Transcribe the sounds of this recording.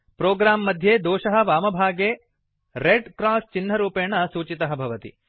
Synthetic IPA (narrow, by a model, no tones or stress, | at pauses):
pɾɔːɡɾaːmːɐd̪ʱjeːd̪ɔːʃɐɦɐ̆ʋaːmɐbʱaːɡeː | ɾeɖkɾaːst͡ʃinːɐɾuːpeːɳɐsuːt͡ʃit̪ɐɦɐbʱɐʋɐt̪ḭ